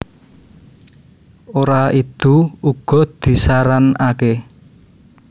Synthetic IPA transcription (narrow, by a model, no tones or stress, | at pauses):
oɾait̪uuɡ̥ɔ̤d̪̥i̤saɾanake